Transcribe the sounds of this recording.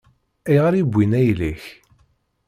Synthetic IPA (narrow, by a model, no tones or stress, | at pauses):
æjʁəɾibʷːinæjliç